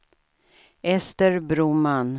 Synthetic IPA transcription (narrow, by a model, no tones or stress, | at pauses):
ɛst̪əɾbɾuːman